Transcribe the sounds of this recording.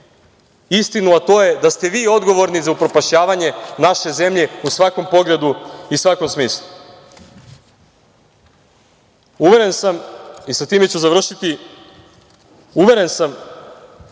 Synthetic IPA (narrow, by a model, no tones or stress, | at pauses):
ist̪inuat̪o̞ːje̞d̪ast̪eʋiːo̞d̪ɡo̞ʋo̞ɾnizaupɾo̞paʃɲaːʋaɲe̞naʃe̞ze̞mʎe̞usʋako̞mpo̞ɡle̞d̪uisʋako̞msmiːslˠu | uʋe̞ɾe̞nsamisat̪iːme̞t͡ɕuzaʋr̩ʃit̪i | uʋe̞ɾe̞nsam